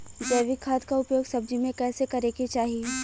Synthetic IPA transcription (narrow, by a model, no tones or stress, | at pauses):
d͡ʒeːʋikʰːaːt̪kaʊpjoːɡsɐb̚d͡ʒimẽkɛːsekɐɾeket͡ʃaːɦie